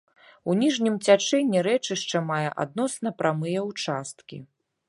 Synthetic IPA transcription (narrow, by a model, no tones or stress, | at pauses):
unʲiʐnʲimt͡sʲat͡ʂɛnʲːiɾɛt͡ʂɨʂt͡ʂɐmajɛʔa̰d̪nɔsnɐpɾʔamɨjɛwt͡ʂast̪kʲḭ